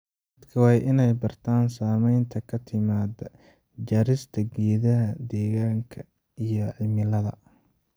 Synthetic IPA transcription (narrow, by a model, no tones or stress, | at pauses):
d̪ɐd̪kʰɐwɑːjʔɪnɛjbɐrt̪ʰaːnsaːmɛjnt̪ʰɐkʰɐt̪ʰɪmaːd̪ɐ | d͡ʒɐɾɪst̪ʰɐɡɛːðɐɦɐd̪ɛːɣaːŋkʰɐ | ijɔʕɪlmɪlɐðɐ̰